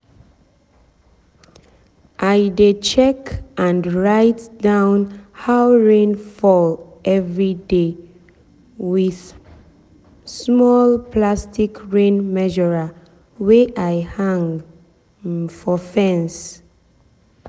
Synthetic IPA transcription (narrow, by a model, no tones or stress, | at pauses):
ʔaɪdet͡ʃɛkʔãnɹaɪtdãʊ̃nhawɹẽnfɔlʔɛvɹide | wið̥ | smɔlpʰlastikɹẽnmɛʒɔɹa | weʔaɪhãŋ | fɔfɛ̃ns